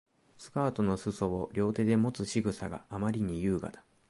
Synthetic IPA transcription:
sɨ̥kaːt̪o̞no̞sɨso̞βoɾʲo̞ːt̪e̞d̪e̞mo̞t͡sɨɕiɡɯ̟saɡa̰amaɾʲiɲ̟ijɯ̟ːɡa̰d̪ḁ

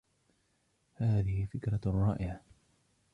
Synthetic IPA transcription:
haːðɪhɪfɪkɾˤɑrˤːɑːʔɪʕa

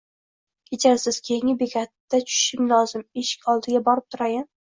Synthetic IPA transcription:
kʲʰet͡ʃʰaɾsɪz̥kʲʰejɪŋɪbekʰʲat̪ːat͡ʃʰʊ̥ʃɪŋʲlɒzɪmeʃɪ̥kʲɒlˠd̪ɪɡʲabɒɾɪp̚t̪ʰʊɾajan

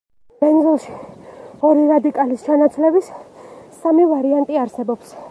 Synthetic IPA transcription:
bɛnzɛlˠʃi̥ | ɔɾiɾad̪ikʼalist͡ʃʰanat̪sʰlɛbisː | amivaɾiant̪ʼiaɾsɛbɔps

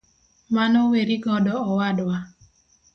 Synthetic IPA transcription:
manɔweɾiɡɔdɔɔwadwa

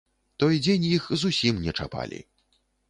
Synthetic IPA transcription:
t̪ɔjd͡zʲenʲjixzusʲimnʲɛt͡ʂapa̰lʲḭ

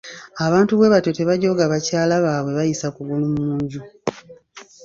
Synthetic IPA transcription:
aβaːntuβwe̞βato̞te̞βaɟo̞ɡaβacaːlaβaːβwe̞βajisakuɡulummuːɲɟu

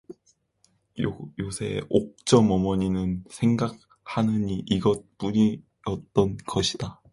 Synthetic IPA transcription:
josʰe̞̰ok̚t͡ɕ͈ʌmʌmʌɲinɯnsʰe̞ŋɡak̚ | hanɯɲiʔiɡʌt̚p͈uɲi | ʌt̚t͈ʌnɡʌɕʰid̥a

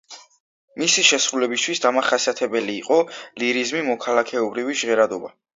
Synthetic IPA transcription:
misiʃɛsɾulɛbist̪ʰwisd̪amaχasiat̪ʰɛbɛliːqʼɔliɾizmimɔkʰalˠakʰɛɔbɾiviʒʁɛɾad̪ɔba

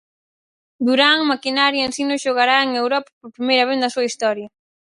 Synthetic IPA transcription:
d̪uɾaŋmakinaɾjɐensinʊʃoɣaɾaeŋewɾɔpḁpoɾpɾimejɾɐβ̞eθd̪ɐsuɐist̪ɔɾjɐ

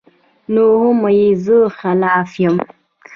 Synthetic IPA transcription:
nohʊmajizəxalaːfjəm

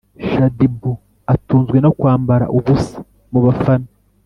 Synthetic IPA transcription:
ʃadibu | atuːnzɡwe̞nokwaːmbaɾa̰ʔuβusi̥ | muβafana

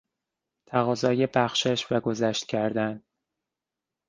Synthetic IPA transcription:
t̪ʰæɣɒːzɒːjebæxʃeʃvæɡo̞zæʃt̪̚cʰæɾd̪æn

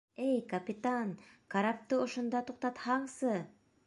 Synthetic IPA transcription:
ejkapʲɪt̪ankʰaɾap̚t̪ɯoʃond̪ɑt̪ʰuq̚t̪ɑt̪hɑɴsɯ

